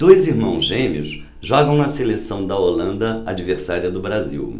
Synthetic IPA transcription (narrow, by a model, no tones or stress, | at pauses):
d̪̥ojziɾmɐ̃w̃zʒẽmiʊ̰s | ʒɔɡɐ̃w̃nɐselesɐ̃w̃d̪ɐolɐ̃nd̪ɐad͡ʒiveɾsaɾiɐd̪ʊbɾazḭw